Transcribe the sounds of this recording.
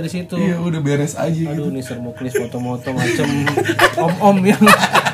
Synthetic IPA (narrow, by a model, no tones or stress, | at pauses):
ɾisit̪uijaudahbeɾɛsa̰d͡ʒaɡiunisərboklɪsmot̪ɔmot̪ɔmat͡ʃəmɔmɔmjaŋ